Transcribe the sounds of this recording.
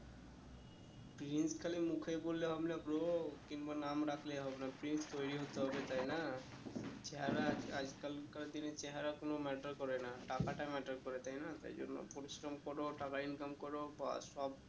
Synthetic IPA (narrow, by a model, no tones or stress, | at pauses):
pɾinskʰalimukʰebolːeɦɔbenabɾokinbanamɾakʰleɦɔbenapɾinst̪ojɾiɦot̪eɦɔbet̪ajna | t͡ɕeɦaɾaad͡ʑkalkald̪inet͡ɕeɦaɾakonomɛʈaɾkɔɾenaʈakaʈamɛʈaɾkɔɾet̪ajnat̪a̰ɾd͡ʒo̰nːo̰poɾisɾɔmkɔɾoʈakainkamkɔɾoba̰sɔb̚